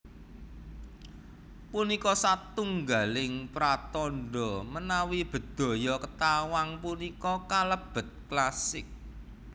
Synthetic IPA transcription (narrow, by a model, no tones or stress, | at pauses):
punikɔsat̪uŋɡa̤lɪŋpɾat̪ɔnɖɔ̤mənawib̥ə̤d̪̥ɔ̤jɔkət̪awaŋpunikɔkaləb̥ə̤t̪̚klasɪk̚